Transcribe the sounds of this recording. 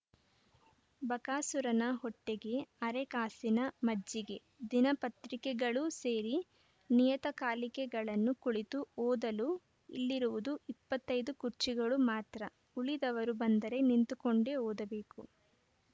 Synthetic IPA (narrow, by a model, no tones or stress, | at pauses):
bɐkaːsuɾɐnɐɦɔʈːeɡe̞ɐɾekaːsinɐmɐd͡ʒːiɡe̞ | d̪inɐpɐt̪ɾikɛɡɐɭuse̞ːɾi | nijɐt̪ɐkaːlikɛɡɐɭɐnːukuɭit̪uɔːd̪ɐlu | ḭlːiɾuʋud̪uipːɐt̪ːɐjd̪ukuɾt͡ʃiɡɐɭumaːt̪ɾɐ | uɭid̪ɐʋɐɾubɐnd̪ɐɾe̞nint̪ukoɳɖe̞oːd̪ɐbe̞ːku